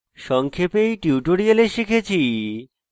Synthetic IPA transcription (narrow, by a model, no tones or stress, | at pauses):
ʃɔŋkʰepejʈiuʈoɾialeʃikʰet͡ɕʰi